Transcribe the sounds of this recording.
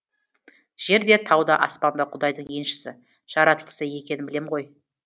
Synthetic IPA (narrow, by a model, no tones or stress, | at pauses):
ʒ̥e̞ɾd̪e̞t̪ʰɑwd̪ɑʔɑ̰spɑnd̪ɑqʰʊd̪ɑjd̪əɴje̞nʃɪ̥sɪ̰ | ʒ̥ɑɾɑt̪əlˠə̥səje̞kʲe̞nɪnbɪle̞mʁo̞j